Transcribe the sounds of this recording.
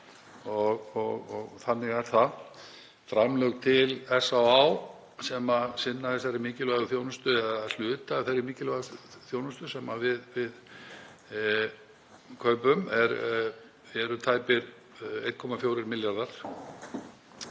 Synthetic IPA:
ɔɣɔɣɔ̰ɣθanːɪɣɛɾ̥θa | fɾamlœɣt̪ʰɪlɛsawaw | sɛmasɪnːaθɛsːaɾɪmɪːcɪlœɣʏθjoːwnʏst̪ʏɛal̥ʏːt̪aːθeɾɪmiːcɪlaθjownʏst̪ʏsɛmavɪðvɪð | kʰœːpʏmɛɾ | vɛɾʏt̪ʰaːjpɪɾ | ejt̪̚kʰɔmafjowɾɪɾmɪljaɾðaɾ̥

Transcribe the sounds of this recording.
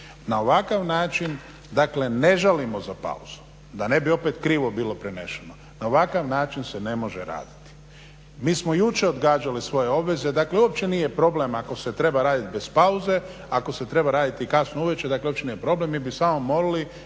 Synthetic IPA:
naoʋakaʋnaːt͡ʃin | d̪akle̞ne̞ʒalimozapa̰uzu̥ | d̪ane̞bio̞pet̪kɾiːʋo̞bilˠo̞pɾeneʃeno̞ | naoʋakaʋnaːt͡ʃinsene̞mo̞ʒeɾa̰ːd̪i̥t̪i̥ | miːsmojut͡ʃe̞od̪ɡaːd͡ʒalisʋo̞jeo̞bʋe̞ze̞d̪akleuop̚t͡ʃe̞nije̞pɾo̞ble̞mako̞se̞t̪ɾe̞baɾaːd̪it̪be̞spauze̞ | ako̞se̞t̪ɾe̞baɾaːd̪it̪ikasnouʋet͡ʃed̪akluopt͡ʃenijepɾo̞ble̞mːibisaːmomo̞ɾali

